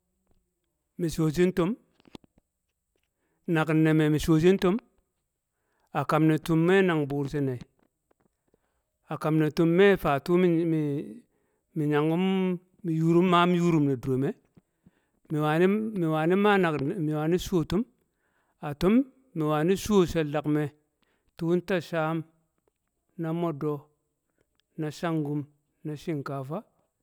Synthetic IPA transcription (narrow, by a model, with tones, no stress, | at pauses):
mi˨so˨s̬i˦n˦to˦m | na˨kne˨me˨mi˨so˨s̬i˦n˦to˦m | a˨ka˨mne˨tu˦mːe˦na˨ŋbu˨ɾsi˦ne˨i˨ | a˨ka˨mne˨tu˨mːe˦fa˨tu˦˨ | mi˨ɲa˨ŋɡu˦mː˨ | ju˦ɾu˦mːa˦mi˦ju˦ɾu˦mne˨do˨me˦ | mi˨wa˨ni˦i˨wa˨ni˦ma˦na˨kmi˨wa˨ni˦su˦o˦tu˦m | a˨to˦mː | i˨wa˨ni˦su˦o˦se˨da˨kme˨ | tu˦nta˦ʃaː˦m | na˦mo˦do˨ | na˨ʃa˦ŋɡu˦m | na˨ʃi˦ŋka˨fa˦